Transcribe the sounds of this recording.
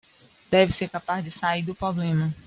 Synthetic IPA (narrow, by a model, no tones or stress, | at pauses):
d̪̥ɛvɪseɾkapazd͡ʒɪsaiɾd̪ʊpɾɔblẽmɐ